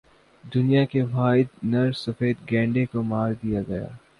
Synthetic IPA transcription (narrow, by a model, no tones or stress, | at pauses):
d̪ʊnijakeʋaːɪd̪̚nɐɾsɐfeːd̪ɡɛ̃ːɳɖekomaːɾd̪ijaɡɐja̰ː